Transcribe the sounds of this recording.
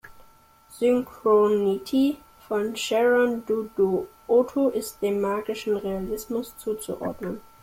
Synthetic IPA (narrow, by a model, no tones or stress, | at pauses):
z̥ʏŋkʁonitʰi | fɔnʃɛʁɔnduduʔotʰoʔɪst̚d̥eːmːaːɡɪʃn̩ʁealɪsmʊst͡suːt͡sṵʔɔ̰ɐdnən